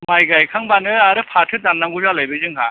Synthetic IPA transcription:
majɡajkʰaŋbanɯaɾɯpʰatʰɯdanːaŋɡuzalajbɯzɯŋɦa

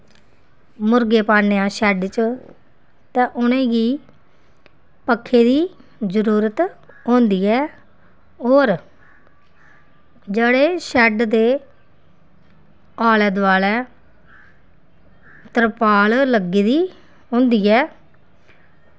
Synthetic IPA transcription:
mʊɾɡeːpaːneːãːʃɛɖt͡ʃ | t̪ɛ̃ːʔʊnẽːɡiː | pəkʰːeːd̪iː | zəɾuːɾət̪ | ɦõːnd̪iːɛː | ɦoːɾ | d͡ʒeːɽeːʃɛɖd̪eː | aːled̪ʋaːlɛː | t̪əɾpaːlləɡiːd̪iː | ɦõːnd̪iːɛː

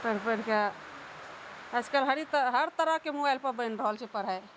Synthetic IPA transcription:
pəɾpəɾka | əd͡ʒkəlɦəɾit̪əɦəɾt̪əɾəkemobajlpəɾbəɪnɾəɦəlt͡ʃʰɛpəɾɦaj

